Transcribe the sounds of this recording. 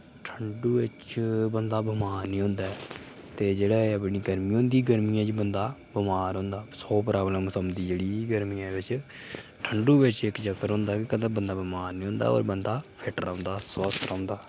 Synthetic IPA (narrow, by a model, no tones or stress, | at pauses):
ʈʰəɳɖuːʋɪt͡ʃbənd̪aːbəmaːɾnĩːɦʊ̃nd̪aːɛ | t̪eːd͡ʒeːɽaːəpɳiːɡəɾmĩːɦʊ̃ːnd̪iːɡəɾmiːãːt͡ʃbənd̪aːbɪmaːɾɦʊ̃nd̪aːsoːpɾaːbləmsəmd̪iːd͡ʒeːɽiːɡəɾmiːãːbɪt͡ʃ | ʈʰəɳɖuːbɪt͡ʃɪkd͡ʒəkːəɾɦʊ̃nd̪aːkekəd̪ãːbənd̪aːbəmaːɾnĩːɦʊ̃nd̪a̰ːo̰ːɾbənd̪aːpʰɪʈəɾːʊ̃nd̪aːswəst̪ɾãːnd̪aː